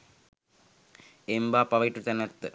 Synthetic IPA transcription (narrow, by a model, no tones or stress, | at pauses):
embaːpːɐʋɐʈːut̪ɐnɐt̪ːɨ